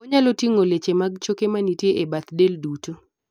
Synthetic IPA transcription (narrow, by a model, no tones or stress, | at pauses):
kɔɲalotiŋolet͡ʃemaɡ̚t͡ʃokemanitjeʔebat̪delduto